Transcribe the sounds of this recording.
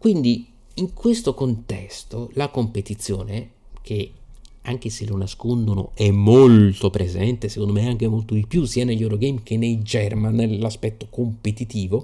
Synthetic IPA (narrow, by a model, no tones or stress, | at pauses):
kwind̪i | iŋkwest̪okont̪ɛst̪olakompet̪it̪sːjo̰ːne | kʰeaŋk̟eselonaskond̪ono̰ʔɛmːolt̪opɾʔezɛnt̪esekond̪omeaŋk̟emolt̪oilpjusianeʎːoɾoɡejmk̟enːejd͡ʒɛrmanːelːaspɛt̪ːokompet̪it̪iːvo